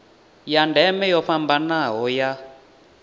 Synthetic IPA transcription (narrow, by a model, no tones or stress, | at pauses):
jandʱɛmɛjɔɸambanaɦɔja